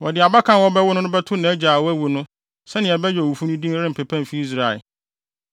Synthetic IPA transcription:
wɔ˨dɪ˨a˨ba˦kʰã˨nwɔ˦bɛ˦wʊ˦nʊ̃˦nʊ̃˦bɛ˦tʰʊ˦nã˨æ˦d͡ʑa˨wɔ˦æ˦wu˨nʊ̃˦ | sɛ˦nɪ̃˨ɛ˨bɛ˦jɔ˨u˨fu˦nʊ̃˦dĩ˦ɾɪ˦m̩˨pʰɛ˨pʰã˦m˨fi˦i˦s̬ɾa˨ɛ̰˨

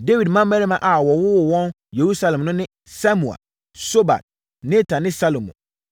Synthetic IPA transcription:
de˦wi˨dmã˦m˦mɛ˦ɾi˦mã˨ʔa˨wɔ˨wʊ˦wʊ˨wɔ̃˦n | je˨ɾu˦sa˦lɛ˨mnʊ̃˦nɪ̃˦ | sa˦mũ˨a̰˨ | so˦ba̰˨t̚ | nẽ˦tʰa˨nɪ̃˦sa˦lo˨mṵ̃˨

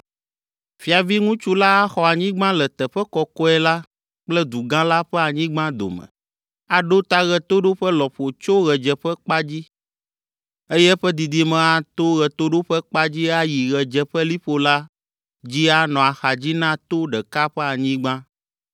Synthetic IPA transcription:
fi˨a˨vi˦ŋũ˦t͡ʃu˦la˦a˦xɔ˨a˨ɲĩ˦ɡ͡bã˦lɛ˨t̪ɛ˨ɸɛ˦kɔ˨kɔ˦ɛ˦la˦ | k͡plɛ˦d̪u˨ɡã˦la˦ɸɛ˦a˨ɲĩ˦ɡ͡bã˦d̪o̰˨mɛ̰̃˨ | a˨ɖo˦t̪a˦ɣɛ˨t̪o˦ɖo˦ɸɛ˦lɔ˨ɸo˨t͡ʃo˦ɣɛ˨d͡ʒɛ˨ɸɛ˦k͡pa˦d͡ʑi˦ | e˦jɛ˦ɸɛ˦d̪i˨d̪i˨˦mɛ̃˨a˨t̪o˦ɣɛ˨t̪o˦ɖo˦ɸɛ˦k͡pa˦d͡ʑi˦a˦ji˨ɣɛ˨d͡ʒɛ˨ɸɛ˦li˦ɸo˦la˦ | d͡ʑi˦a˦nɔ̃˨a˨xa˨d͡ʑi˦nã˦t̪o˦ɖɛ˨ka˦ɸɛ˦a˨ɲĩ˦ɡ͡bã˦

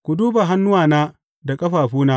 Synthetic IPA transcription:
kʷu˨duː˦ba˨ɦa˦nːʊ˦waː˨naː˦ | da˨kʼɐ˦ɸaː˨ɸuː˦naː˦

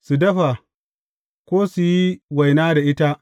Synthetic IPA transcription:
su˨dɐ˦ɸa˨ | kʷoː˦su˨ji˦wa˨jnaː˦da˨ʔɪ˦ta˦ʔ

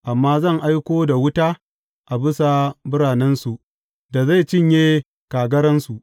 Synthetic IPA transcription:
ʔa˨mːaː˦zɐ˦˨ŋʔa˦jkʷoː˦da˨wʊ˦taː˦ | ʔa˨bɪ˦sa˨bʊ˦ɽaː˨nɛ˦nsu˨ | da˨za˦˨t͡ʃɪ˦ɲjeː˦ | kaː˨ɡɐ˦ɾɐ˦nsu˨ʔ

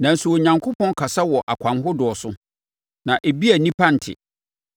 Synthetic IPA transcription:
nã˨n̩˨sʊ˨wɔ˨ɲã˨ŋkʰo˦pʰɔ̃˦nkʰa˨sa˦wɔ˨ʔa˨kʷʰã˨mɦʊ˦dʊ˨ɔ˨sʊ˦ | nã˨ʔe˨bi˦æ˨nĩ˦pʰã˦n̩˨tʰɪ̰˨

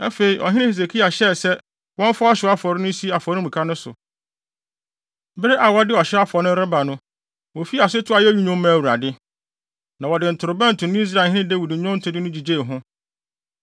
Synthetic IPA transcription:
a˦fe˨i˨ʔɔ̰˨ɦɪ̃˦nɪ̃˦he˨s̬e˨kʰi˦a˨ɕɛ˦˨sɛ˦ | wɔ̃˦ɱ˦fa˦ɔ˦ɕɪ˨˦a˦fɔ˨ɾɪ˦nʊ̃˦si˦a˨fɔ˨˦nʊ̃˦mũ˨kʰa˦nʊ̃˦sʊ̰˨ | bɪ˦ɾɪ˦ʔa˨wɔ˦dɪ˦ɔ˨ɕɛ˦a˦fɔ˨nʊ̃˦ɾɪ˦ba˨nʊ̃˦ | wo˨fi˦˨a˨sʊ˦tʰʊ˦a˨jɛ˦ɲi˦ɲʊ̃˦m˦mã˦˨wu˨ɾa̰˨dɪ˦ | nã˨wɔ˨dɪ˨n̩˨tʰʊ˨ɾʊ˨bɛ̃˦n̩˨tʰʊ̃˨nʊ̃˦i˦s̬ɾa˨hɪ̃˦ɪ̃˦de˦wi˨dɪ̃˨ɲʊ̃˦n̩˦tʰʊ˨˦dɪ˦nʊ̃˦d͡ʑi˨d͡ʑe˦˨ɦʊ̃˦

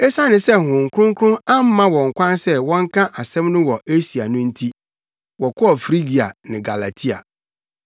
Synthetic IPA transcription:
ɛ˦sa˦nɪ̃˨sɛ˦hʊ̃˨ŋ̩˨kʰɾʊ̃˦ŋ˦kʰʊ̃˦ŋa˦m˦mːã˦wɔ̃˨ŋ̩˨kʷʰã˦nsɛ˦wɔ̃˦ŋ˦kʰã˦ʔa˨sɛ̃˦mnʊ̃˦wɔ˨ʔe˦si˨a˨nʊ̃˦n̩˦tʰi˦ | wɔ˨kʰɔ˦ɔ˨fɾi˦ɡi˨a̰˨nɪ̃˨ɡa˨la˨tʰi˦a̰˨

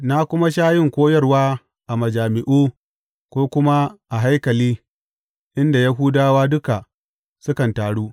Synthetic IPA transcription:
na˦kʷʊ˦ma˦ʃaː˦jɪ˦ŋkʷoː˦jɐ˦rwaː˦ | ʔa˨mɐ˨d͡ʒaː˨mɪ˨ʔuː˦ | kʷoː˦kʷʊ˦ma˦ʔa˨ɦa˦jkɐ˨liː˦ | ʔɪ˦nda˨ja˦ɦu˦daː˦waː˦dʊ˦ka˨ | sʊ˦kɐ˨ntaː˨ɽuː˦

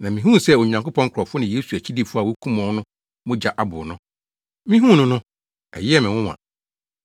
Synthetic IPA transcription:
nã˨mĩ˨ɦũ˦˨sɛ˦˨o˨ɲ˨ã˨ŋkʊ˦pʰɔ̃˦ŋ˦kʰɾɔ˨fʊ˦nɪ̃˨je˦su˨æ˨t͡ɕʰi˦di˦fʊ˦a˨wo˦kʰũ˦mɔ̃˨˦nʊ̃˦ | mʊ̃˦d͡ʑa˨ʔa˦bʊ̰˨nʊ̃˦ | mĩ˦ɦũ˦˨nʊ̃˦nʊ̃˦ | ɛ̰˨jɪ˦ɛ˦˨mɪ̃˨wʊ̃˦wã̰˨

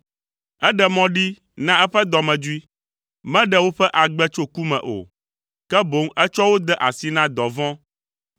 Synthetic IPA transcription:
ɛ˦ɖɛ˨mɔ̃˦ɖi˦ | nã˦ɛ˦ɸɛ˦d̪ɔ˨mɛ̃˨d͡ʒu˦i˦ | mɛ̃˦ɖɛ˦wo˦ɸɛ˦ʔa˨ɡ͡bɛ˦t͡ʃo˦ku˦mɛ̰̃˨ʔo̰˨ | kɛ˦bo˨˦ŋɛ˦t͡ʃɔ˦wo˦d̪ɛ˦ʔa˨si˦nã˦d̪ɔ˨vɔ̃˦

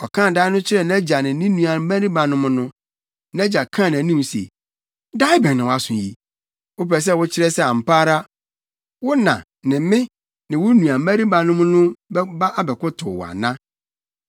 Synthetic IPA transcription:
ɔ˨kʰãː˦˨da˦ɪ˦nʊ̃˦t͡ɕʰɪ˦ɾɛ˦˨ñ˦d͡ʑa˨nɪ̃˨˦nɪ̃˦nũ˨a˨˦mæ˦ɾi˦ba˨nʊ̃˦mʊ̃˦nʊ̃˦ | n˦d͡ʑa˨kʰã˦˨ñ˨æ˨˦nĩ˦˨sḛ˨ | da˦ɪ˦bɛ̃˨nnɪ̃˨wa˨sʊ̃˨ji˨ | wʊ˦pɾɛ˨s̬ɛ˦wʊ˦t͡ɕʰɪ˦ɾɛ˦sɛ˦a˨m̩˨paː˦ɾa˦ | wʊ˦nã̰˨ | nɪ̃˨˦mɪ̃˦ | nɪ̃˨wʊ˦nũ˨a˨˦mæ˦ɾi˦ba˨nʊ̃˦mʊ̃˦nʊ̃˦bba˦ʔa˦bɛ˨kʊ˦tʰʊ˨wɔ̰˨a̰˨nã˦

